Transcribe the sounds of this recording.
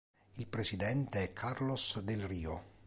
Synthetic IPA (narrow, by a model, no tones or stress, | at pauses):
ilpɾesid̪ɛnt̪eɛkʰːarlosd̪elriːo